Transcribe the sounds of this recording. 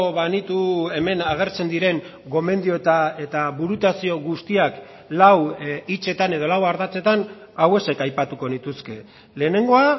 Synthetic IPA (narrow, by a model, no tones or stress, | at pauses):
βanit̪ue̞me̞naɣ̞e̞ɾt͡se̞nd̪iɾe̞ŋ | ɡo̞me̞nd̪io̞t̪aet̪aβuɾut̪asio̞ɣust̪iak | lawit͡ʃe̞t̪ane̞ð̞o̞lawaɾðat͡se̞t̪an | awe̞se̞kajpat̪uko̞nit̪uske̞ | le̞ːne̞ŋɡo̞a